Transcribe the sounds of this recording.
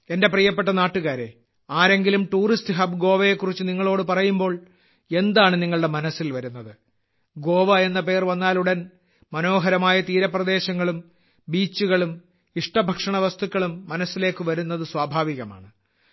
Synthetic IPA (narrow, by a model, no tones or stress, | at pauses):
e̞nde̞prijɐpːeʈːɐnaːʈːuɣaːɾe̞̰ | aːɾe̞ŋɡilumʈuːristɨɦɐbɡo̞ːʋɐje̞kːurit͡ɕːɨniŋːɐɭo̞ːɽɨpɐrɐjumbo̞ːɭ | e̞nd̪aːɳɨniŋːɐɭɽe̞mɐnɐsːilʋɐɾunːɐðɨ | ɡo̞ːʋɐe̞nːɐpe̞ːrʋɐnːaːluɽɐn | mɐno̞ːɦɐɾɐmaːjɐt̪iːɾɐprɐd̪e̞ːɕɐŋːɐɭum | biːt͡ɕːuɣɐɭum | iʂʈɐbʱɐkʂɐɳɐʋɐst̪ukːɐɭumːɐnɐsːile̞ːkːɨʋɐɾunːɐðɨswaːbʱaːʋiɣɐma̰ːɳɨ